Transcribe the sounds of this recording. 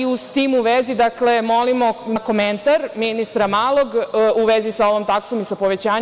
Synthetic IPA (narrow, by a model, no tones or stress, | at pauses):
iust̪imuʋezid̪akle̞mo̞limo̞ako̞ment̪aɾminist̪ɾamaːlˠoɡuʋezisaoʋomt̪aksomisapoʋet͡ɕaːɲ